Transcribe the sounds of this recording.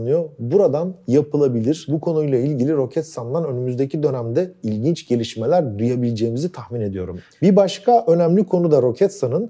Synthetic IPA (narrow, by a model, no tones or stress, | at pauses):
nɯjobuɾad̪anjapʰɯlˠabilʲiɾ̥bukʰo̞nujlˠailʲɟilʲiɾo̞cʰɛt̪sand̪ˠanø̞nymyzd̪e̞cʰid̪ø̞næmd̪ɛilʲɟint͡ʃɟ̥e̞lʲiʃme̞lʲæɾd̪ujabilʲd͡ʒe̞ːmizit̪ʰahmine̞d̪ijo̞ɾum | biɾbaʃkʰaʔø̞næmlʲikʰo̞nud̪aɾo̞cʰɛt̪sanɯn